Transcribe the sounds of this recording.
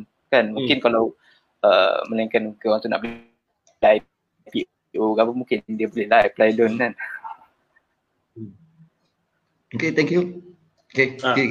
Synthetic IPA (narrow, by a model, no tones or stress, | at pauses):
n | kanmũŋkɪnkalaw | ə̰məlaiŋkanokewaŋt̪una̰ʔbol | laj | pi | ʔoɡabamũŋkɪnndiəbolɛhlajplajlɔnkan | oket̪ɛ̃ŋkju | okeke